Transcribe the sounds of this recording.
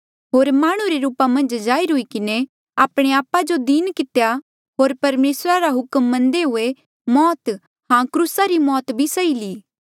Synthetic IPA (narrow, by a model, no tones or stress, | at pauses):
ɦoːɾmaːɽ̃ũɾeɾuːpamɐ̃nd͡ʒd͡ʒaːiɾʊikɪne | aːpɽ̃eaːpːad͡ʒod̪inkɪt̪eja | ɦoːɾpɐɾmeːsɾaɾaɦʊkmːɐ̃nd̪eɦʊe | mɔːt̪ | hãkɾusaɾimɔːt̪bʱisɐiliː